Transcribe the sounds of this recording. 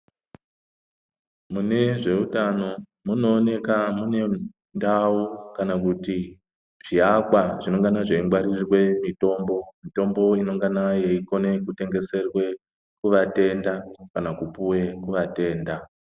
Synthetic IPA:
mune̞ʐe̞utano̞ | muno̞ːne̞kamune̞ | ndaukanakuti | ʐ̥iakwaʐino̞ŋɡanaʐeiŋɡwarirwe̞mito̞ːmbo̞mito̞mbo̞ino̞ŋɡanaje̞iko̞ne̞kute̞ŋɡe̞se̞rwe̞ | kuʋate̞ndakanakupuwe̞kuʋate̞ːnda

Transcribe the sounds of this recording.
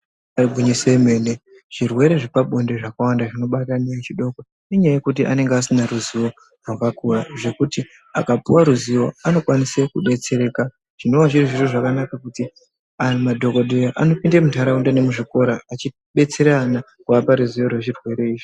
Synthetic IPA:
aribʱuɲiseːme̞ne | ʐ̥irwe̞ɾe̞ʐipaɓo̞nde̞ʐakawandaʐino̞ɓatanet͡ʃiɗo̞ko | ne̞ɲaaje̞kut̬iʔa̰ne̞ŋɡasinaɾuziwo̞ | rwaɡakuraʐe̞kuti | a̰kapuwaɾuziwo̞ano̞kwanisekuɓe̞t͡se̞ɾe̞ka | ʐ̥ino̞waʐiriʐiroʐakanakakuti | amadʱo̞ko̞dʱejaʔano̞pindemutaɾaundane̞muʐiko̞ɾaːt͡ʃi | ɓe̞t͡se̞ɾana | kuapaɾuziwo̞rwe̞ʐirwe̞ɾe̞iːʐi

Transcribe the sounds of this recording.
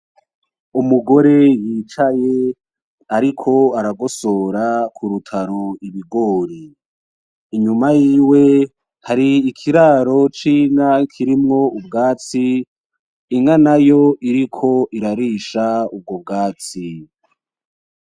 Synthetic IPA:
umuɡo̞ɾe̞jiːt͡ʃaje̞ | aɾikʰo̞aɾaɡo̞so̞ɾakʰuɾutʰaɾoiβiɡoːɾiː | ɲumajiːwe̞ | haɾiːkʰiɾaɾo̞t͡ʃiːŋakʰiɾimŋo̞ubɡaːt͡siː | ŋanajoʔiɾikʰo̞ʔiɾaɾiʃaub̚ɡo̞b̚ɡaːt͡si

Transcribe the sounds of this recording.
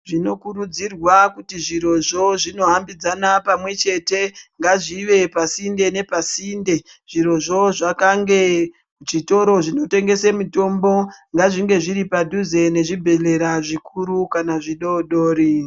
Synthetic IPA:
ʐino̞kuɾud͡zirwakutiʐiɾo̞ʐo̞ʐino̞ɦambid͡zanapamwe̞t͡ʃe̞te̞ŋɡaʐiʋe̞pasinde̞ne̞pasinde̞ | ʐ̥iɾo̞ʐo̞ʐakaŋɡe̞ | ʐito̞ɾo̞ʐino̞te̞ŋɡe̞semito̞mbo̞ŋɡaʐiŋɡe̞ʐiɾipadʱuze̞ne̞ʐibʱe̞le̞ɾaʐikuɾukanaʐiɗo̞ɗoːɾi

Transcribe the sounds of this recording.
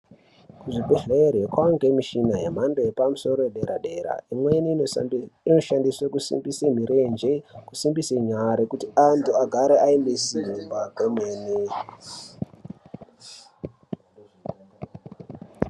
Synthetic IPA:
kuʐibeɮeerekwaŋɡemiʃinajemandeepamuso̞ɾojeɗeɾaɗe̞ɾa̰imweni | ino̞ʃandiswekusḭmbisem̤iɾend͡ʒeku̥simbiseɲaɾekutiantʰuaɡʱaɾeʔainbesinivaɡʱomeːni

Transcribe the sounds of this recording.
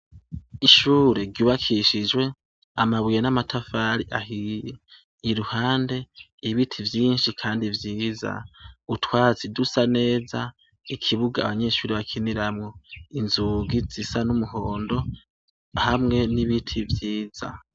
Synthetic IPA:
iʃuːɾeɾɟuːβakʰiʃid͡ʒwe̞ | amaβujenamatʰafaːɾiʔahije | iɾuhaːnde̞ | iβitʰivjiːnʃikʰaːndivjiːza̰utwaːzidusane̞ːza | ikʰiβuɡa̰ːβaɲe̞ʃuːɾiβakʰiniɾamŋoinzuɡiz̥isanumuɦo̞ːndo̞ | hamŋe̞niβitʰivjiːz̥a̰

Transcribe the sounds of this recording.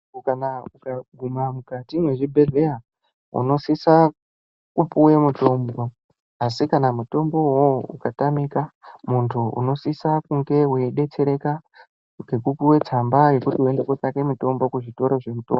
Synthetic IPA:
kanaukaɡʱumamukatimwe̞ʐibʱe̞ɮe̞a | ṵno̞sisa | kupuwe̞muto̞mbo̞ | asikanamuto̞mbo̞woṵkatamikamuntʰuṵno̞sisakuŋɡe̞we̞ɗe̞t͡se̞ɾe̞ka | ɡekupuwe̞t͡sambaje̞kutiue̞ndekot͡sake̞muto̞mbo̞kuʐito̞ɾoʐe̞muto̞̰mb

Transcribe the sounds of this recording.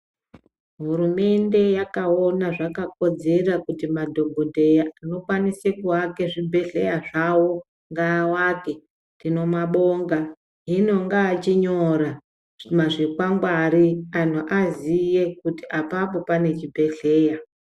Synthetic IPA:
ɦuɾume̞nde̞jakao̞naʐakako̞d͡ze̞rakutimadʱo̞bʱodʱe̞jaano̞kwanisekuwake̞ʐibʱe̞ɬe̞jaʐawo̞ | ŋɡawake̞ | tino̞maɓo̞ŋɡa | ɦino̞ŋɡaːt͡ʃiɲo̞ɾa | maʐikwaŋɡwaɾian̤uʔazije̞kutiʔapap̬o̞pane̞t͡ʃibʱe̞ɬe̞ːja

